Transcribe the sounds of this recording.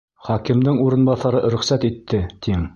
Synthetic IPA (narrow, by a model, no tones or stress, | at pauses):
χɒkɘ̆md̪ɘŋuɾɤ̆nbɑθɑɾɤɾɵ̆χsæt̪it̪ːɘt̪im